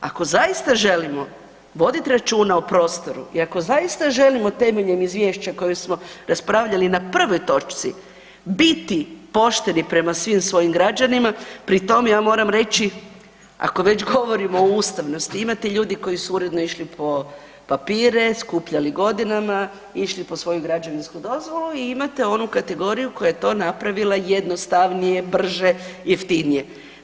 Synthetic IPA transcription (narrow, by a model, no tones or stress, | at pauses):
a̰ko̞zajist̪aʒe̞limo̞ | ʋo̞d̪it̪iɾat͡ʃuːnaopɾo̞ːst̪o̞ɾṵiako̞zajist̪aʒe̞limo̞t̪e̞me̞ʎemizʋʲjeːʃt͡ɕako̞jusmo̞ɾaspɾaʋʎalinapr̩ʋo̞jt̪o̞t͡ʃt̪si | bit̪ipo̞ʃt̪e̞nipɾe̞masʋimsʋo̞jimɡɾad͡ʒanimapɾit̪o̞mejaːmo̞ːɾamɾe̞t͡ɕi | a̰ko̞ʋe̞t͡ɕɡo̞ʋo̞ɾimoːust̪aʋno̞st̪iimat̪eʎuːd̪iko̞jisuuɾe̞d̪no̞iʃlipʰo̞ | papiːɾe̞skupʎaliɡo̞d̪inama | iʃlipo̞sʋo̞juɡɾad͡ʒaʋinskud̪o̞zʋo̞luiimat̪e̞o̞nukat̪e̞ɡo̞ɾijuko̞jajet̪o̞ːnapɾaʋilˠajed̪no̞st̪aʋnije̞br̩ʒe̞jift̪inije̞